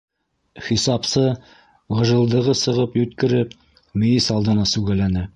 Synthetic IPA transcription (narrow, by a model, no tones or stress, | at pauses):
χisɑpsɤ | ʁɤ̆ʒɤ̆lˠd̪ɤ̆ʁɤsɤ̆ʁɤpjʉt̪kɘ̆ɾɘp | mɘ̆jɘsɑlˠd̪ɤ̆nɑsʉɡælænɘ